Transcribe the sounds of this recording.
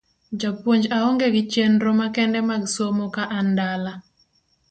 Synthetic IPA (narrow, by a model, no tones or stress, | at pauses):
d͡ʒapwoɲd͡ʒaoŋɡeɡɪt͡ʃenɾomakɛndɛmaɡsomokaʔandala